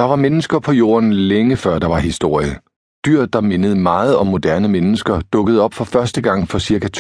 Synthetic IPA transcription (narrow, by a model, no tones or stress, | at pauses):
d̥ɑ̈ʋɑ̈menəsɡ̥ɐpʰɒ̽jo̝̰ːɐnleŋəfɶɐd̥ɑ̈ʋɑ̈hisd̥o̝ɐ̰jə | d̥yɐ̰d̥ɑ̈me̝nəð̞̩ˠmɑ̈ːð̞̩ˠɒ̽mːo̝d̥æɐnəmenəsɡ̥ɐd̥ɔ̽ɡ̥əð̞̩ˠɒ̽b̥fɒ̽fɶɐsd̥əɡ̥ɑ̈ŋ̰fɒ̽siɐkʰæt͡sʰ